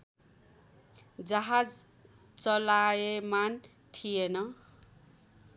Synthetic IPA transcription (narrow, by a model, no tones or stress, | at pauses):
d͡zʌɦad͡z | t͡sʌlajeman | ʈʰijenʌ